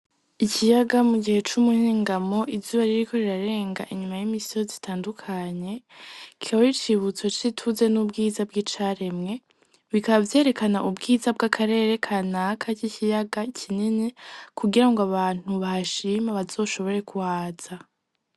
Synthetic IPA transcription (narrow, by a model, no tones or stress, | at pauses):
icijaɡamuɡihe̞t͡ʃumuhiːŋɡamo̞ʔivzuβaɾiɾiko̞ɾiɾaɾe̞ːŋɡaʔiɲumajimisijozitʰaːndukʰaɲe̞ki̥kaβaɾit͡ʃiβut͡so̞t͡ʃitʰuze̞nubɡiːzabɡit͡ʃaːɾe̞mŋe̞ | βikaβavje̞ːɾe̞kanaʔubɡiːzab̚ɡakʰaɾe̞ːɾe̞kʰaːnakʰacicijaɡacʰininikuɡiɾaŋɡoaβaːn̥huβahaʃimaβaz̥o̞ːʃo̞βo̞ɾe̞kuwaːz̥a